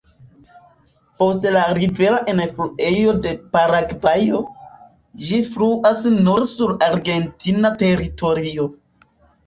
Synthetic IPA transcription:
po̞stlaɾive̞ɾaʔenfluʔe̞jo̞de̞paɾaɡvajo̞ | d͡ʒifluʔasnoɾsuɾaɾɡe̞ntinate̞ɾito̞ɾio

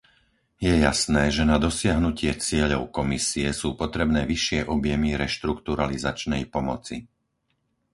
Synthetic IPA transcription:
jɛjasnɛːʒɛnad̪ɔsɪaɦnucɪɛt͡sɪɛʎɔʊkɔmisiɛsuːpɔt̪ɾɛbnɛːʋiʃɪɛʔɔbjɛmiɾɛʃt̪ɾukt̪uɾalizat͡ʃnɛjpɔmɔt͡sḭ

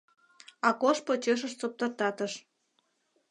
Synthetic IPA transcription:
ɑkoʃpot͡ɕøʃ̬ə̆ʃt͡sop̚t̪ɤ̆rt̪ɑt̪əʃ

